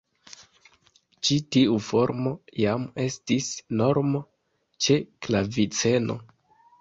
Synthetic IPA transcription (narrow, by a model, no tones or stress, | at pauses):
t͡ʃitiufo̞ɾmo̞jame̞stisno̞ɾmo | t͡ʃe̞klavit͡se̞no̞̰